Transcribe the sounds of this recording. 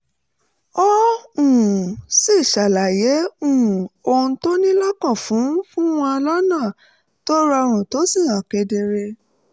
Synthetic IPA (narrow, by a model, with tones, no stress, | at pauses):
ɔ˦ũ˨si˦˨ʃa˨la˨jɛ˨˦ũ˦˨o˧ũ˧to˦nĩ˦la˦kɔ̃˦˨fũ˨˦fũ˦w̃ɔ̃˧lɔ˦nãː˦˨ | tɔ˦ɾɔ˧ɾ̃ũ˨to˨˦si˦˨ã˨kɛ˧de˧ɾe˧